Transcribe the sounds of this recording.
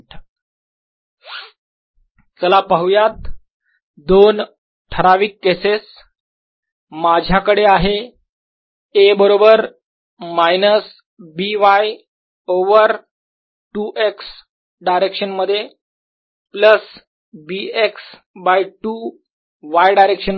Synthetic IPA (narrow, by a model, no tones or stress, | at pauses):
t͡səlapaɦujat̪̚ | d̪on | ʈʰəɾaʋiːkːeses | mad͡ʑʱjakəɽeaɦe | ebəɾobəɾ | majnəs | biʋaj | oʋəɾ | ʈuːʔeks | ɖajɾekɕənməd̪ʱːje | pləs | bieks | bajʈu | ʋajɖajɾekɕən